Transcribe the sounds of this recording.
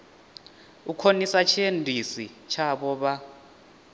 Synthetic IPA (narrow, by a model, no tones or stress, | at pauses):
ukʰonisat͡ʃʰendʱisit͡ʃʰaɓɔɓa